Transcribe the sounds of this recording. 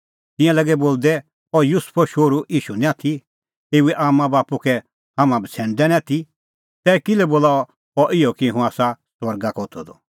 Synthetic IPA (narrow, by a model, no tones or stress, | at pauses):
t̪ɪ̃jãlɐɡɛboːld̪ɛ | ɔjʊspʰɔʃoːɾuiːʃunɛ̃at̪ʰi | eːuɛʔaːmãbaːpukɛ | hamãbʱət͡sʰɛ̃ːnd̪ɛñat̪ʰi | t̪ɛːkɪlɛboːlaːɔ | ɔʔɪɔkiɦũaːsaswɐɾɡakɔt̪ʰɔd̪ɔ